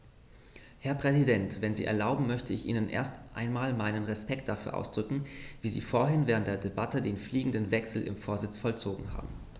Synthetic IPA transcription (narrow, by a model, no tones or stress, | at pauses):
hɛɐpʁ̥ɛzidɛntv̥ɛnziːʔɛ̰ɐlaʊbm̩mœçtʰəɪçʔḭːnənʔḛːɐstʔa̰ɪnmaːlmaɪnənʁɛspɛktd̥afyːɐʔa̰ʊsd̥ʁʏkŋ̩viːzḭːfoːɐɦɪnvɛːʁ̞əntd̥eːɐdebatədeːnfliːɡŋ̩dənvɛksl̩ʔɪ̰mfoːɐzɪt͡sfɔlt͡soːɡŋ̩ɦa̰ːbm̩